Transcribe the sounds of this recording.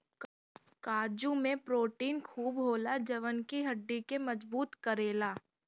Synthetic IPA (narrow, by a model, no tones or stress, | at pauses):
kaːd͡ʒũmẽpɾoːʈiːnkʰuːbɦoːlad͡ʒɐʋənkiɦɐɖːikemɐd͡ʒbuːt̪kɐɾeːlaː